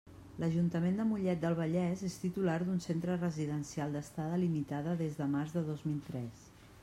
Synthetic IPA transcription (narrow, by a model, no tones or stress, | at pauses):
ləʒunt̪əmend̪əmuʎɛt̪̚d̪əlˠβ̞əʎɛzest̪it̪ulaɾd̪unsent̪ɾərəziðənsialˠd̪əst̪aðəlimit̪aðəðezðəmarzðəðozmilˠt̪ɾɛs